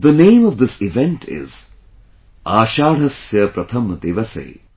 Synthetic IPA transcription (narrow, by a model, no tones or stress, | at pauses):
d̪ənẽːmɔʋd̪ɪsɪʋɛ̃ɳʈʰɪ̰z | aːʃaːɽ̤ɐsjɐpɾɐt̪ʰɐmd̪eːʋɐsḛj